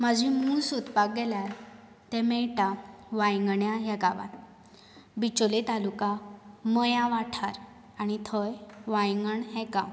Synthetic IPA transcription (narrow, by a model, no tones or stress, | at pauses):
mad͡ʑʱĩmũsut̪pak̚ɡɛljaɾ | t̪ɛ̃mɛɭʈaʋajŋɡɳjaɦɛkaʋa̰t̪ | bit͡ɕolet̪alukamɔjãʋaʈʰaɾ | anit̪ʰɔjʋãjŋɡəɳɦɛka